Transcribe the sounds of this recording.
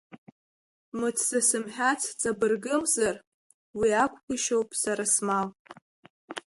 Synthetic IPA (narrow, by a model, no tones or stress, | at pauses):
mɨt͡sʰsasɨmħʲᶣat͡sʰt͡sʼabɨrɡɨmzar | wiakʷʰʼɡʷiʃo̞wpʼsaɾasmal